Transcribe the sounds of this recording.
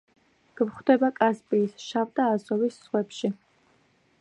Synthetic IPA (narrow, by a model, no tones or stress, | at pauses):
ɡ̥mχd̪ɛbakʼazpʼiːsʃavd̪aːzɔvisːχwɛpʃi